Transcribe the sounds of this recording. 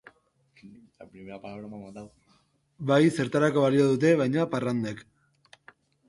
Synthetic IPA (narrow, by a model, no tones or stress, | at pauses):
apɾimeɾapalaβɾamamand̪aw | bajse̞ɾt̪aɾako̞βaliaðut̪̬e̞βajɲaparand̪ek